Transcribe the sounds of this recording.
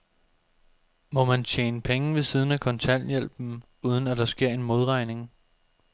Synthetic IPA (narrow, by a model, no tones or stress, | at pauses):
mɒ̽mænt͡ɕʰjḛːnəpʰeŋəʋe̝sið̞ˠn̩ækʰɒ̽nt͡sʰæn̰jel̰b̥n̩ | uːð̞ˠn̩æd̥ɑ̈sɡ̥e̝ɐ̰e̝nmo̝ð̞ˠʁɑ̈ɪne̝ŋ